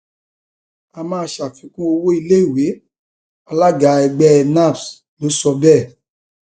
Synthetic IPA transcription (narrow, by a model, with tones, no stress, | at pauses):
a˧mãː˨˦˧ʃa˨fĩ˨˦kũ˦o˧wo˦i˧le˦i˦˨we˨˦ | a˧la˦ɡa˨ɛ˧ɡ͡bɛ˦˧nã˦˨ps | lo˨˦sɔ˧bɛ˦˨